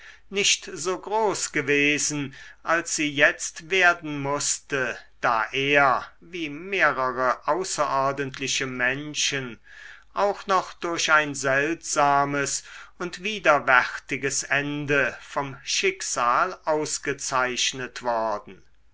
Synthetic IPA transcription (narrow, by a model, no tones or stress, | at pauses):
nɪʃtz̥oːɡʁoːsɡ̥əveːzn̩ʔalsz̥iːjɛt͡stv̥eːɐdn̩mʊstəd̥a̰ːʔeːɐ | viːmeːɐʁəʁəʔaʊsɐʔɔɐdəntʰlɪʃəmɛnʃənʔaʊxnɔχd̥ʊɐɕaɪnzɛltz̥aːməsʊntv̥iːdɐvæʁtɪɡəsɛndəfɔmʃɪkz̥aːlʔaʊsɡ̥ət͡saɪʃnətv̥ɔɐdn̩